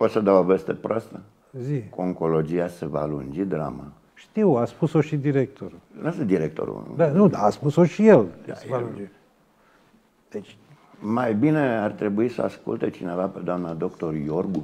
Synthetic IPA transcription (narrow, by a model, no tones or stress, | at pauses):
pot̪ʲsəd̪awovest̪epɾoast̪ə | zikoŋko̞lo̞d͡ʒiasevaːlṵnd͡ʒid̪ɾa̰ma̰ | ʃt̪iwaspusoʃid̪iɾek̚t̪o̞ɾunasd̪iɾek̚t̪o̰ɾṵd̪anud̪aːspusoʃijelasevaund͡ʒi | d̪̥et͡ʃʲ | majbineart̪ɾe̞buisəa̰skṵlt̪et͡ʃine̞vaped̪oamnad̪o̞kt̪o̞rjorɡu